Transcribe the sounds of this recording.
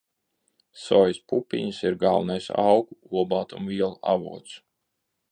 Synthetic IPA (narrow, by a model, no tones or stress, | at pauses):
sɔjspupʲḭɲɨsiɾɡalˠnajsa̰wkuuɔbaːt̪umviɛlˠa̰vṵɔt̪s